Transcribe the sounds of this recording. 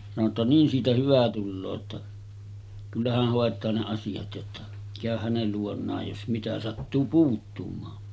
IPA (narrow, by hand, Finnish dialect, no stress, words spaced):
sɑno tːɑ niːn siːtæ hyʋæ tulːoː tːɑ kylːæ hæh hoˑetˑɑː ne ɑsijɑt jotːɑ kæˑøh hænel luonˑɑːj jos mitæ sɑtːuː puːtːumɑːn